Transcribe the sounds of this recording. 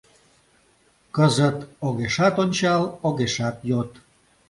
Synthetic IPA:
kəzət̪oɣeʃɑt̪onʲt͡ɕɑloɣeʃɑt̪jot̪

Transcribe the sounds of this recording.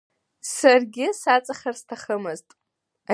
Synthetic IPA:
sarɡʲɪsat͡sʼaχʲarstʰaχəmɨztʼ | a

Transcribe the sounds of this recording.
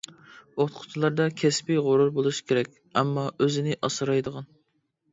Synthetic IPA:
ot̪qʰʊ̥t͡ʃʰilˠɑɾd̪ɑkʲʰɛspɪʁoɾuɾbolˠuʃkʲʰeɾɛkʲ | ɛmːɑøzɪnɪʔɑsɨɾɑjd̪əʁɑn

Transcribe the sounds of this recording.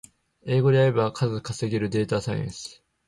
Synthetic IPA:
e̞ːɡo̞d̪e̞aɾe̞bakʰazɨkaseɡʲeɾɯ̟d̪e̞ːt̪asaj̰ḛ̃ɰsɨ̥

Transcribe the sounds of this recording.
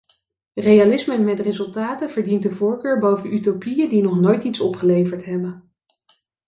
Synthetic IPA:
rejalɪsməmɛtrezɵlˠtaːtəv̥əɹdintdəvʊːɹkøːɹbowvənʔytopijədinɔχnojtitsɔpχəlejvəɹtɦɛbən

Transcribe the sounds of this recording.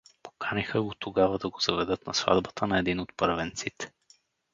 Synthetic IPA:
po̥kʰanixəɡot̪ʰoɡavɐd̪ɐɡozɐvɛd̪ɤt̪nɐsva̰d̪bət̪ʰənɐɛd̪inot̪pɤɾvɛnt̪sit̪ɛ̥

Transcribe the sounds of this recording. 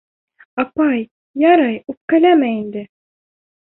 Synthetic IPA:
ɑpɑj | jɑɾɑjup̚kæ̆læmæind̪ɘ

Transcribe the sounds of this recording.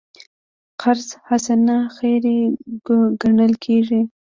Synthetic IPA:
qʰaɾzhasanaxeɾe | ɡaɳəlkʰeʐi

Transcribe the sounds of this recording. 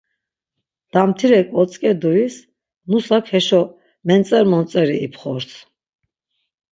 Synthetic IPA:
d̪̥amt̪ʰiɾɛkʼɔt͡sʼkʼɛd̪uis | nusakʰhɛʃɔ | mɛnt͡s̪ʼɛɾmɔnt͡sʼɛɾiːpʰχɔɾs

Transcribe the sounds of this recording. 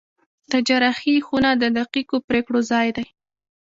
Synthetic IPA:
t̪ad͡ʒaɾaxixunad̪əd̪aqikopɾekɽozɑjd̪aj

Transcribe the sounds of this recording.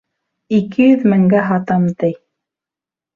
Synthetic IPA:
ikɘjɵðmɘ̆ŋɡæɦɑt̪ɑmt̪ɘj

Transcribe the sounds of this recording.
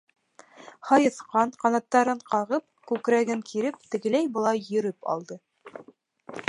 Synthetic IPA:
hɑjɤ̆θqɑɴqɑnɑt̪ːɑɾɤɴqɑʁɤp̚kʉkɾæɡɘŋkʰiɾɘp̚t̪ɘ̆ɡɘ̆læjbɤ̆lˠɑjːɵ̆ɾɘpɑ̰lˠd̪ɤ

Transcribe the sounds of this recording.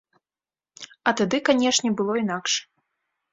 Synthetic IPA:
ɐt̪ad̪ɨkanʲɛʂnʲɛbɨlˠɔinakʂ

